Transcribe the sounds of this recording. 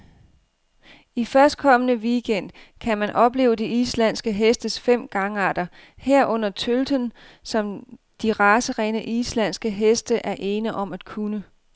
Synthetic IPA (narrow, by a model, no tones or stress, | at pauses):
ifɶɐsd̥̚kʰɒ̽m̰ənəʋiɡ̥en̰d̥̚ | kʰæmænʔɒ̽b̥le̝ːʊəd̥eislæn̰sɡ̥əɦesd̥əsfem̰ɡ̥ɑ̈ŋəɑ̈d̥ɐ | heɐ̰ʔɔ̽n̰ɐt͡sʰøld̥ən | sɒ̽m | d̥iʁɑ̈ːsəʁɛːnəʔislæn̰sɡ̥əɦesd̥əʔæɐʔe̝ːnəʔɒ̽mæd̥kʰunə